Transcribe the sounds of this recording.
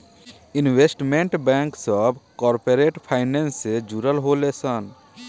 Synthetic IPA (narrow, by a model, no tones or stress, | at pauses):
inʋesʈmeɳʈbɛŋksɔbkɔɾpeɾeʈpʰaɪnensed͡ʒuɾəlɦolesən